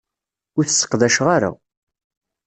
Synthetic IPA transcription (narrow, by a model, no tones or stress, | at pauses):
ʊɾθsːə̥qːðæʃʁaɾa̰